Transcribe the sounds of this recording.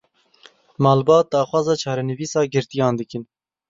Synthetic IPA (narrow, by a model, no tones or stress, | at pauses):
mɑːlbɑːt̪̚d̪ɑːxwɑːzɑːt͡ʃʰɑːɾɛnɨviːsɑːɡɨɾt̪ijɑːnd̪ɨkɨn